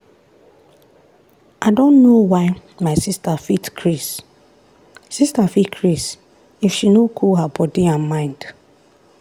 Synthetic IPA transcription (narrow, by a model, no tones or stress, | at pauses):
ʔaɪdõnːowaɪmaɪsistafitkʰɹis | sistafitkʰɹis | ifʃinokʰulɦabɔdiãnmãɪ̃nd̥